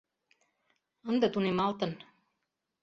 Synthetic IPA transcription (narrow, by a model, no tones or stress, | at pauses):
ənd̪ət̪unimalt̪ən